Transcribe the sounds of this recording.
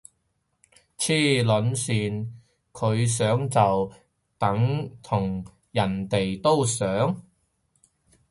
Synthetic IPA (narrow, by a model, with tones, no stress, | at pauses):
t͡sʰiː˥lɵ˨˥nsyː˨˧n | kʰɵ˨˧ɥs̬œː˨˥ŋt͡sɐ˨w | t̪ɐ˨˥ŋt̪ʰʊ˨˩ŋ | jɐ˨˩nt̪e˨jt̪o˥wsœː˨˥ŋ